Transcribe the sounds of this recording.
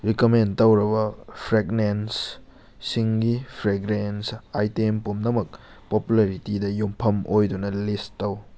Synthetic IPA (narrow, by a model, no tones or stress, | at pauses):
ɾikomentɐwɾɐbɐpʰɾeɡnens | siŋɡipʰɾeɡɾensajtempumnɐmɐk̚ | populaɾitidɐjumpʰɐmʔojdunɐlistːɐw